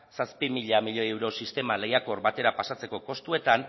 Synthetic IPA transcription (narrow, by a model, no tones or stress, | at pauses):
saspimiʎamiʎoewɾo̞sist̪e̞male̞jako̞ɾbat̪e̞ɾapasat͡se̞ko̞ko̞st̪ue̞t̪an